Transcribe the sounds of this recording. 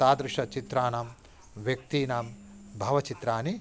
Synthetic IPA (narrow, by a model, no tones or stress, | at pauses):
aːd̪ɾɪʂɐt͡ʃit̪ɾaːnaːm | ʋjɐk̚t̪iːnaːm | bʱɐʋɐt͡ʃit̪ɾaːni